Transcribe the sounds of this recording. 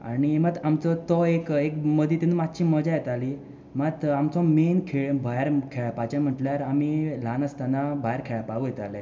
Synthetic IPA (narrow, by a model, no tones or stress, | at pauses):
a̰ɽ̃imət̪amt͡sɔt̪ɔekekməd̪ʱjit̪inumat̪t͡ɕiːməd͡ʑajɛt̪ali | mət̪amt͡sɔmenkʰeɭbʱajɾkʰeɭpat͡ɕam̤əʈljaɾamilanəst̪anabajaɾkʰeɭpaɡujɛt̪alɛ̃